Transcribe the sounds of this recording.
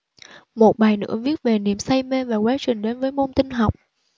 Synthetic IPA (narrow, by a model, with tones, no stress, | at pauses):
mo˨˩t̚ɓaː˨˩jnɨ̰˧˥əvi˦˥ət̚ve˨˩ni˨˩əmsa˧jme˧vaː˨˩kwɛː˨˦t͡ɕwï˨˩ŋ̟ɗe˨˦nvəː˨˦jmo˧nt̪ï˧ŋɦa˨˩wk͡p̚